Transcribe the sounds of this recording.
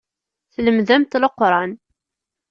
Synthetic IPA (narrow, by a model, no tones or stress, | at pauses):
θləmðæmt̪ləqːɾˤɑn